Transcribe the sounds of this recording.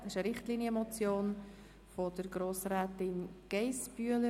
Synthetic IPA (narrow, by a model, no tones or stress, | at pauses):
ɪʃəɾɪχtliːnjəmɔt͡sjoːn | fɔdəɾɡɾoːsɾɛːtɪnɡ̥eɪsb̥yələ